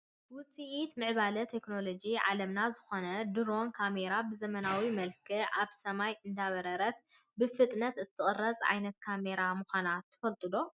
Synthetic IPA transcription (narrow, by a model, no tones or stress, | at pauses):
wʊt͡sʼiʔit̪mɨʕβalɐt̪ʰekno̞lo̞d͡ʒiʕa̰lɐmnazɨxo̞nɐd̪ɨɾo̞nkʰame̞ɾabɨzɐmɐnawimɐlkʰɨʔaβsɐmajɨnd̪aβɐɾɐɾɐt̪̚ | bɨfɨt̪ʼnɐt̪ɨt̪ʰɨχʼɨrːɐt͡sʼʕa̰jnɐt̪̚kʰame̞ɾamuxʷanat̪ʰːɨ̥fɐlt̪ʼɨlo̞